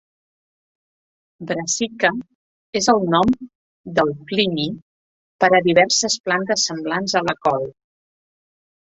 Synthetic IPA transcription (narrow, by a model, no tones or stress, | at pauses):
bɾəsikə | ezəlˠnɔm | d̪əlˠklini | pəɾəðiβɛɾsəsplant̪əsːəmblanzələkɔlˠ